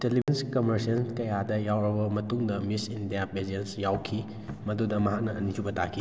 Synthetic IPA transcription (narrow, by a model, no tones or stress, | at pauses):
telibenskɐmɐɾsɐnkɐjadɐjawɾɐbɐmɐtuŋdɐmisindijabed͡ʒensjawkʰi | mɐdudɐmɐɦak̚nɐɐnid͡ʒubɐtakʰi